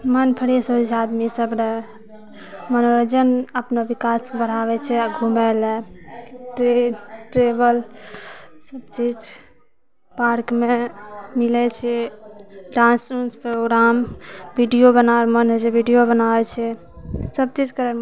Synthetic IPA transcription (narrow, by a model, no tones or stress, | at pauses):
mənpʰəɽesod͡ʒad̪misəbne | mənoɾd͡ʒənəpnobikasbəɽ̤aβɛt͡ʃʰɛaɡʱumɛlɛ | ʈɾeʈɾebəl | səb̚t͡ʃid͡ʒ | paɾkmemilɛt͡ʃʰɛ | ɖãnsunspɾoɡɾambiɖijobənamənɦd͡ʒebʱiɖijobənabɛt͡ʃʰɛ | səb̚t͡ʃid͡ʒkəɾɛ